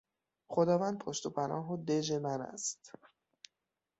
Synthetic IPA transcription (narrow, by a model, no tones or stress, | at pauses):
χod̪ɒːvænd̪̚pʰoʃt̪opʰænɒ̰ːɦod̪ed͡ʒe̞mænæ̰st̪